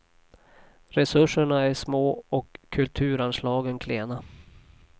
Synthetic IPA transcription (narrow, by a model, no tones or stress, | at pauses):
ɾɛsɵʂːəɳaæʂmoːɔkʰːɵlt̪ʰʉ̟ːɾanʂlɑːɡənkʰleːna